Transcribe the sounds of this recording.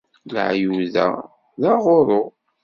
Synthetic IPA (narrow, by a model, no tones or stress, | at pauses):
lə̰ʕjuðæ̰ | ðɑʁoɾˤo